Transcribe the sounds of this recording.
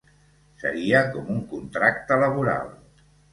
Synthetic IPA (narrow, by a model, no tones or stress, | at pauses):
sə̰ɾiəkɔmuŋkunt̪ɾakt̪ələβ̞uɾa̰lˠ